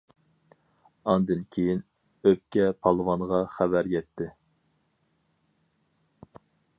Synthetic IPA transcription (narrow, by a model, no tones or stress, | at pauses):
ɑnd̪ɨnkʲʰejin | øp̚kʲɛpʰɑlˠɨwɑnʁɑχæbæɾjɛt̪ʰːɪ